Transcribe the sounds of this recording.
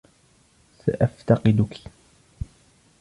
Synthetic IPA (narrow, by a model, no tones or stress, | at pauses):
sa̰ʔaft̪ɑqɨd̪ʊkʰi̥